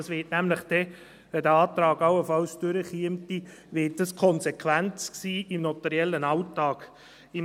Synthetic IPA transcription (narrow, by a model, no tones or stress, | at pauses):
sʋɪːtnæmlɪχd̥ɛ | ʋɛdəɑːt̪ɾɑːɡɑwəfɑlsd̥øɾəχiəmti | ʋɪːt̚dɑskʰɔnsekʰʋænt͡sksiːimnɔtɛɾjɛlːənɑʊtɑːɡ̥ | i